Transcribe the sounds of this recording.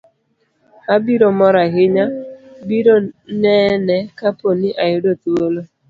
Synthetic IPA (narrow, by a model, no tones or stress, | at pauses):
abiɾomɔɾaɦɪɲabiɾonɛnɛkaponɪʔajʊdot̪uolo